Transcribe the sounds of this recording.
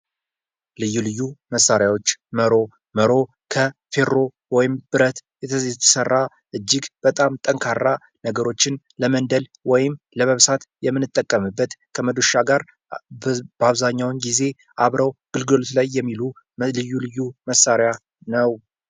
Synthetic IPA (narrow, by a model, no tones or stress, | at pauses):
lɨjːulɨjːuməsːaɾjawo̞t͡ʃːməɾo̞ | məɾo̞ | kʰəfe̞ɾo̞ | wɔjɪmb̥ɨɾət̪jɛt̪ʰəszt̪ʰə̥sərːa | ʔɨd͡ʒːɪɡb̥ət̪ʼamt̪ʼəŋkʰarːa | nəɡəɾo̞t͡ʃːɪn | ləmənd̪əlwɔjɪm | ləməβsat̪jɛmːɨnːɨt̪ʼːəkʼːəmɨbːət̪kʰəməd̪oʃaɡaɾ | bəaβzaɲːawnɡize̞ | ʔaβɾəwɡ̥ɨlɡɨlot̪lajːɛmːilu | lɨjːulɨjːuməsːaɾja | nəw